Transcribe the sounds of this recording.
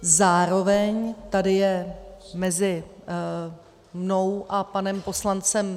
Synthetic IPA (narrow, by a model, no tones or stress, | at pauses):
zaːɾo̞vɛɲt̪adɪjɛmɛzɪ | mno̞wʔapanɛmpo̞slant͡sɛm